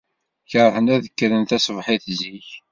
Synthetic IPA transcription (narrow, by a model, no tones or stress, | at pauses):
çəɾθənæðəkːɾənθæsvħɪθziç